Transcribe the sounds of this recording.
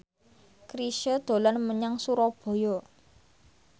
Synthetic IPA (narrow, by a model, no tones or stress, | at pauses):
kɾiʃəd̪̥o̤lanməɲaŋsuɾɔb̥o̤jɔ